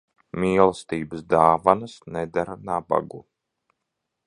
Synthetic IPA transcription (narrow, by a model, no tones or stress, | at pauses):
mʲiːlˠst̪iːbəsd̪aːvanəsnɛd̪aɾanaba̰ɡu